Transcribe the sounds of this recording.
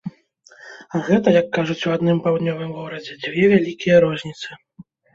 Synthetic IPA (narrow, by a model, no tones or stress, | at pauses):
aɣɛt̪ɐjɐkːaʐut͡sʲuwad̪nɨmpawd̪nʲɔvɨmɣɔɾɐd͡zʲɛd͡zʲvʲɛvʲalʲikʲijɐɾɔzʲnʲit̪sɨ